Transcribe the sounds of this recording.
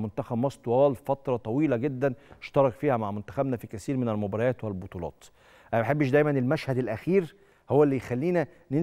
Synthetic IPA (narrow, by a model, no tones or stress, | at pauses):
mont̪æxæbmɑsˤt̪ˤwɑːlfæt̪ɾˤɑt̪ˤɑwiːlæɡed̪ːæneʃt̪ɑɾˤɑkfiːhæmaʕmont̪æ̥xæbnæfikæsiːɾmenælmobɑɾɑjæːt̪wɪlbot̪ˤuːlɑ̰ːt̪ | ʔæbaħebːɪʃ̬d̪æjmænelmæʃhæd̪elʔæxiːɾ | howːæelːijxælːiːnæ | ne